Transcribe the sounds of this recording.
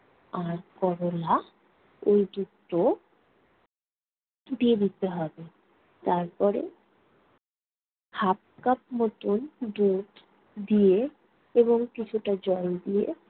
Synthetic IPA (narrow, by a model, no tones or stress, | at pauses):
aɾkɔɾola | ojd̪utː | o | d̪ied̪it̪eɦɔbe | t̪aɾpɔɾḛ | hap̚kapmot̪ond̪uʈ̪ | d̪ije | eboŋkit͡ɕʰuʈad͡ʑɔld̪iḛ